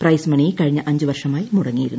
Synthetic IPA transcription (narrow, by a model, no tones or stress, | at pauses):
prɐjsmɐɳijkɐɻiɲːɐʔɐɲd͡ʑɨʋɐrʂɐmaːjimuɽɐŋːijiɾunːu